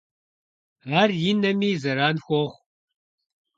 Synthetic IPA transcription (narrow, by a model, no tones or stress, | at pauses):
aːrjinɐmiːzɐɾaːnxʷɔχʷ